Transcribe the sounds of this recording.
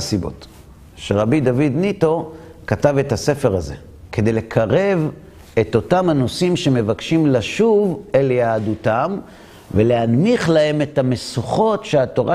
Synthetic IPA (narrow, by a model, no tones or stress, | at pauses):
sibo̞̰t | ʃeʁabid̪avid̪nito̞ | katave̞thase̞feʁaze̞̰ | kʰe̞d̪e̞jle̞kʰaʁe̞v | e̞to̞tamhano̞simʃe̞me̞vakʃimlaʃuveljaːdutam | veleanmiχlahe̞me̞thamesuχo̞tʃeato̞ʁa